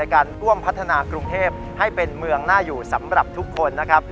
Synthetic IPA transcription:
jkaː˧nɾu˥˩əmpʰa˦˥t̪ʰːa˧naː˧kɾu˧ŋt̪ʰeː˥˩p̚ | ha˥˩jpe˧nmɯ˧əŋnaː˥˩juː˨˩sa˩˦mɾa˨˩p̚t̪ʰu˦˥kʰːo˧nːa˦˥kʰa˦˥p̚

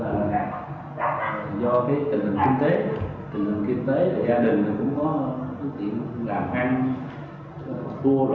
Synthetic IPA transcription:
aː˨˩˨ | zɔ˧kaː˨˦jt̪ï˨˩ŋ̟hlḭ˨˩ŋki˧nt̪e˨˦ | t̪ï˨˩ŋ̟lï˨ŋ̟ki˧nt̪e˨˦ɗe˨˩zaː˧ɗï˨˩ŋ̟naː˨˩kʊ̰˧˥ŋ͡mkɔ˨˦kɔ˨˦k̪ḭ˧˨ənlaː˨˩mʔaː˧ŋ˨ | t̪u˧ə

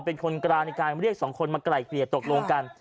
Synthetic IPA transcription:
pe˧nkʰo˧nkɾaː˧na˧jkaː˧n˧ɾi˥˩ək̚sɔː˩˦ŋkʰo˧nmaː˧kɾa˨˩jkʰli˨˩t̪ːo˨˩k̚loː˧ŋka˧n

